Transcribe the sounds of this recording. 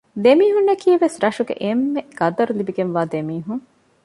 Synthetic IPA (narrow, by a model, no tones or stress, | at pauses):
d̪emiːɦunːɐkʰiːeʋesɾɐʃuɡḛʔemːeɡ̥ɐd̪ɐɾulibiɡenʋaːd̪emiːɦuŋ